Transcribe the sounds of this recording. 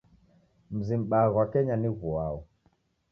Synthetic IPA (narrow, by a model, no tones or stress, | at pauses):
m̩zim̩ɓaɣwakɛɲaniɣuaɔ